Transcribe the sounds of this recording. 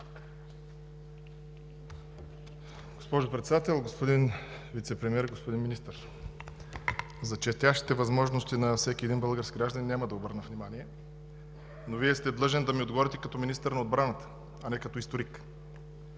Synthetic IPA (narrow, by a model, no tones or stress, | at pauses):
ɡospɔʒʊpɾɛt̪sɛd̪at̪ɛlˠɡospod̪in | vit̪sɛpɾɛmiɛɾɡospod̪inminist̪əɾ | zɐt͡ʃɛst̪ʲaʃt̪i̥t̪ɛvɐzmɔʒnost̪inɐsɛkʲiɛd̪inbəlˠɡəɾskiɡɾaʒd̪əɐnʲːaməd̪ɐobɤɾnəvnʲimaniɛ | noviɛst̪ɛd̪lˠɤʒɛnd̪ɐmiod̪ɡvɔɾʲit̪ɛkɐt̪ɔminist̪əɾnɐod̪bɾanət̪ə̥ | ɐnɛkɐt̪ɔist̪oɾik